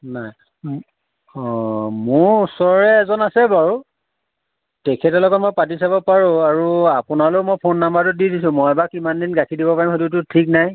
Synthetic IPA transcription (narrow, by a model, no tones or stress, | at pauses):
naj | ɔmʊɹusɔɹɛːzɔnasɛbaɹu | tɛkʰɛtɔlɔɡɔtmɔj̚patisabɔpaɹʊ̃aɹuapʊnalomojpʰonːambatʊdidisʊ̃mɔjɛbakimandinɡakʰidibɔpaɹimxotitʊtʰik̚naj